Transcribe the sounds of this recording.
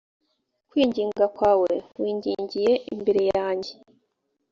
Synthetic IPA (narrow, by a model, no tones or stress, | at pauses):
kwiːɲɟiːŋɡakwaːwe̞wiːɲɟiːɲɟije̞ʔimbeɾe̞jaːɲɟe